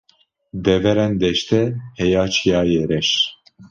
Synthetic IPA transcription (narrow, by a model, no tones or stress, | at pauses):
d̪ɛvɛɾɛnd̪ɛʃt̪ɛhɛjaːt͡ʃʰijaːjeɾɛʃ